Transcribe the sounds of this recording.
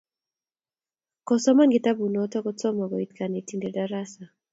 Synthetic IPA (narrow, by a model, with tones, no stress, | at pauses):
kɔ˨sɔ˦ma˦nɡɪ˦ta˦bu˨nɔ˨tɔ˦kɔ˦t͡sɔ˦mɔ˨ɡɔ˨i˦tkʰa˨ne˨ti˦nde˨da˦ɾa˦sa˨